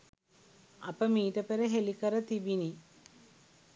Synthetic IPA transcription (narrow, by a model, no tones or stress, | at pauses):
ɐpəmiːʈəpeɾeɦelikəɾət̪ibini